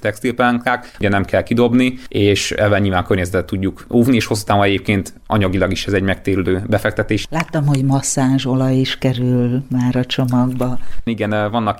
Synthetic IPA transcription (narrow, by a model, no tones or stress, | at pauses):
t̪ɛkst̪ilpɛŋklaːk | ɟɛnɛmkʰɛlkid̪o̞bnieːʃɛ̰vːɛlɲilvaːŋkørɲɛzɛt̪ɛt̪ːuɟːukuːvnieːʃho̞sːu̥t̪aːvonɛɟeːp̚keːnt̪ | ʔɒ̰ɲɒɡilɒɡiʃɛzɛɟmɛk̚t̪eːɾiløːbɛfɛk̚t̪ɛt̪eːʃlaːt̪ːɒmho̞ɟmɒsaːʒo̞lɒjiʃkɛɾylmaːɾɒt͡ʃo̞mɒɡbɒiɡɛnvɒnːɒk